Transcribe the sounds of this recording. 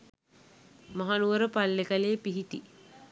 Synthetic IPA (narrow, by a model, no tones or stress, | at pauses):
maɦanuʋəɾəpalːekaleːpiɦit̪i